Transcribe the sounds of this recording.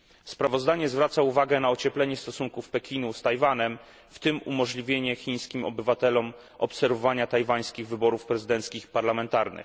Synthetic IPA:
spɾavɔzd̪aɲɛzvɾat̪sauvaɡɛnaɔt͡ɕɛplɛɲɛst̪ɔsuŋkufpɛkʲinust̪ajvanɛm | ft̪ɘmṵmɔʐlʲivʲjeɲɛxʲiɲ̃skʲimɔ̰bɘvat̪ɛlɔm | ʔɔ̰psɛɾvɔvaɲat̪ajvaj̃skʲiɣvɘbɔɾufpɾɛzɘd̪ɛnt̪skʲixpaɾlamɛnt̪aɾnɘ̰x

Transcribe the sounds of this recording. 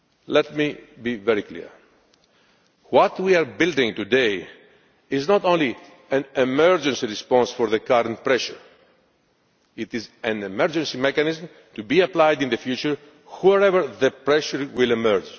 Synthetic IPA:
lɛt̚mibivɛɾiklḭɹ | wɔt̪wiaɾbild̪ĩŋt̪ud̪e | iznɔt̪õnli | æ̃nemɛɹd͡ʒə̃nsiɹispɔ̃nsfɔɾðəkaɾə̃nt̚pɾɛʃəɹ | it̪izæ̃nemɛɹd͡ʒə̃nsimɛkanizm | t̪ubiaplajd̪ĩnðəfjut͡ʃəɹ | hɔɾɛvəɹðəpɾɛʃəɹwilɛmɛɾd͡ʒ

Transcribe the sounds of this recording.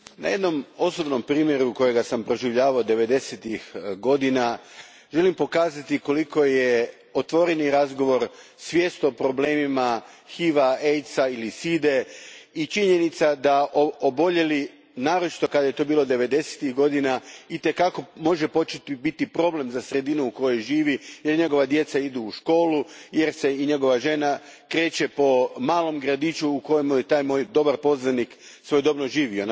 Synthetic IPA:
na̰je̞d̪no̞mo̞so̞bno̞mpɾiːmje̞ɾuko̞je̞ɡasampɾo̞ʒiʋʎaːʋaod̪e̞ʋe̞d̪e̞set̪ixɡo̞d̪ina | ʒe̞limpo̞kaːzat̪iko̞liko̞je | ot̪ʋo̞ɾeniɾazɡo̞ʋo̞ɾsʋje̞ːst̪o̞pɾo̞ble̞ːmima | xiːʋaejt̪sailisid̪e̞it͡ʃiɲe̞nit̪sad̪aʔoobo̞ʎe̞li | naːɾo̞t͡ʃi̥t̪o̞kad̪ajet̪o̞ːbiːlˠo̞d̪e̞ʋe̞d̪e̞se̥t̪iɣɡo̞d̪inait̪e̞kako̞mo̞ʒepo̞t͡ʃet̪ibit̪ipɾo̞ble̞mzasɾe̞d̪inuuko̞jo̞jʒiːʋije̞ɾɲe̞ɡo̞ʋad̪je̞t̪said̪uːʃko̞ːluje̞ɾse̞iɲe̞ɡo̞ʋaʒe̞nakɾe̞ːt͡ɕe̞po̞maːlˠo̞mɡɾad̪it͡ʃuːko̞jemujet̪aːjmoːjd̪o̞baɾpo̞znaniksʋo̞jd̪o̞bnoʒiːʋion

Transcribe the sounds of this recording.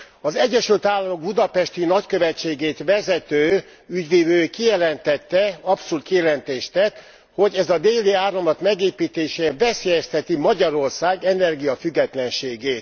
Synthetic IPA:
ɒzɛɟːɛʃylt̪aːlːɒmo̞ɡ̚bud̪ɒpɛʃt̪inɒckøvɛt͡ʃːeːɡeːt̪ʋɛzɛt̪øː | yɟʋeːvøːkijɛlɛnt̪ɛt̪ːɛɒpsoult̪̚kijɛlɛnt̪eːʃt̪ɛt̪ː | ho̞ɟɛzɒd̪eːliaːromlɒt̪mɛɡeːpiːt̪eːʃeːbɛseːjɛst̪ɛt̪imɒɟɒɾo̞rsaːɡɛnɛrɡijɒfyɡːɛt̪lɛnʃeːɡeːt̪

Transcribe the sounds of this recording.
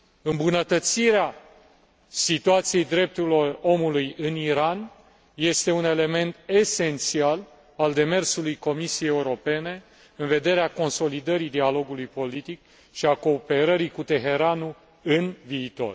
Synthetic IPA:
ɨmbunət̪ət̪siɾea | sit̪uat̪sije̞jd̪ɾe̞p̚t̪uɾilo̞ro̞mulujɨniɾan | je̞st̪e̞une̞le̞me̞nt̪e̞se̞nt̪sial | ald̪e̞me̞rsulujko̞misijejeuɾo̞pe̞ne̞ | ɨnve̞d̪e̞ɾeako̞nso̞lid̪əɾid̪ialo̞ɡulujpo̞lit̪ik̚ | ʃiako̞ːpe̞ɾəɾikut̪e̞ɦe̞ɾanu | ɨnviːt̪o̞̰r

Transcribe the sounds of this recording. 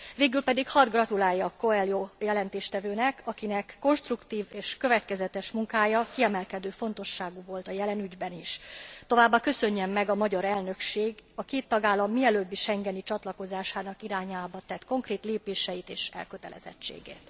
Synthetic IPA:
veːɡylpɛd̪ikhɒd̪ɡrɒt̪ulaːjːɒko̞ɛljojɛlɛnt̪eːʃt̪ɛvøːnɛkɒkinɛkːo̞nʃt̪rukt̪iːveːʃkø̞vɛt̪kɛzɛt̪ɛʃmuŋkaːjɒkiɛmɛlkɛd̪øːfo̞nt̪o̞ʃːaːɡuvo̞lt̪ɒjɛlɛnyɟbɛniʃt̪o̞vaːbːakø̞sø̞ɲːɛmːɛɡɒmɒɟɒɾɛlnø̞kʃeːɡɒkeːt̪ːɒɡaːlːɒmːiɛløːbːiʃɛŋɡɛnit͡ʃɒt̪lɒko̞zaːʃaːnɒkiɾaːɲaːbɒt̪ɛt̪ko̞ŋkreːt̪leːpeːʃɛjit̪eːʃɛ̰lkøt̪ɛ̰lɛ̰zɛ̰t͡ʃːḛːɡḛːt̪

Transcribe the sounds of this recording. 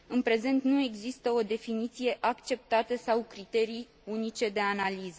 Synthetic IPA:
ɨnpɾe̞ze̞nt̪nue̞ɡzist̪əo̞d̪e̞finit̪sije̞ʔakt͡ʃe̞p̚t̪at̪əsawkɾit̪e̞ɾij | unit͡ʃe̞d̪e̞analizə

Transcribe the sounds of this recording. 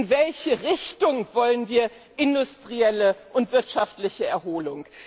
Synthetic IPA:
nvɛlçəʁɪçtʊŋv̥ɔlənviːɐ | ʔɪndʊstʁ̥iɛləʔʊntv̥ɪɐtʃaftlɪçəɛɐɦoːlʊŋ

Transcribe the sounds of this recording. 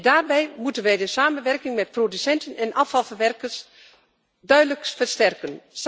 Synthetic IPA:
daːrbɛjmutənʋɛjdəsaːmənʋɛrkɪŋmɛt̚prodysɛntənɛnʔɑfɑlˠfərʋɛrkərs | dœɥdələkfərstɛrkəns

